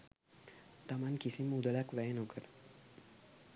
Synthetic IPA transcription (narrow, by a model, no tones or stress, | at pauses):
t̪amankisimud̪əlakʋɛnokəɾ